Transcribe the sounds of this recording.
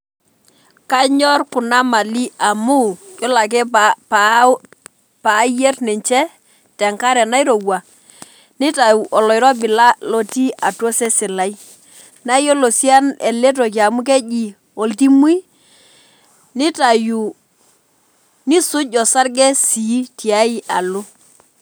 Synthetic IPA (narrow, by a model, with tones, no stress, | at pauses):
ka˦ɲɔ˦rkʊ˨na˦ma˨li˦a˨mu˦jɔ˦la˨k̬ɛ˦pp | pa˨˦je˦tnɛ˨ɲt͡ʃɛ˦ | tɛ˨ŋka˦ɾɛ˨na˦jɾo˨wa˨ | nɪ˦ta˨u˨ʔɔ˨lɔ˨jɾɔ˦bɪ˨la˦lɔ˨ti˦ʔa˨to˦sɛ˦sɪ˨la˨i˦ | na˦jo˦lo˨si˦a˦nɛ˨le˦t̬o˨k̬i˨a˨mʊ˦k̬ɛ˦ʄi˨ | o˨lti˦mwi˦ | nɪ˦ta˨ju˨ | nɪ˦sʊ˦ɟɔ˨sa˦ɾɡɛ˦si˨˦ti˨a˦i˦ʔa˨lʊ˦